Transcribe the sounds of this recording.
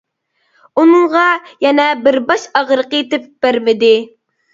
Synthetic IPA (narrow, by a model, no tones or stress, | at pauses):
unɨɴʁɑjɛnɛbɪɾbɑʃɑʁɾəqət̪ɪp̚b̥æɾmɪd̪ɪ